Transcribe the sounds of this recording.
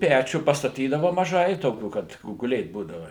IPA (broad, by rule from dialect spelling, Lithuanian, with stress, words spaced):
ˈpʲæt͡ʃʲuː pɐstɐˈtʲiːdɐʋɐ mɐˈʒɐɪ ˈtoːkʲuː ˈkɐt oː ɡʊˈlʲeːt ˈbuːdɐʋɐ